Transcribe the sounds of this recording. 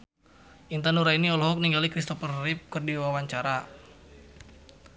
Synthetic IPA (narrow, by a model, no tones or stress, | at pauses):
ʔint̪anuɾainiɔlɔɦɔk̚niŋɡalikɾist̪ɔfərːip̚kərdiwawaɲt͡ʃaɾa